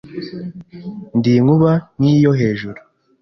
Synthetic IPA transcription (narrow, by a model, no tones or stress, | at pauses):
ndiːŋuβanijo̞ɦe̞ːʒuɾu